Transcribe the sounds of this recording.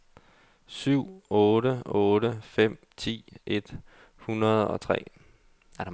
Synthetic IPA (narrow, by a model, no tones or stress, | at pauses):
syʊ̰ɔːɾəɔːɾəfem̰ | t͡sʰḭːʔed̥ | hunɐðˠɒ̽t͡sʰʁɛ̰ː | æɐɾ̥